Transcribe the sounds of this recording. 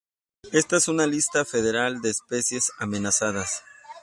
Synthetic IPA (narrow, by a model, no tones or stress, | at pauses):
e̞st̪aesunalist̪afe̞ðe̞ɾald̪e̞ːspe̞sje̞same̞nasaðas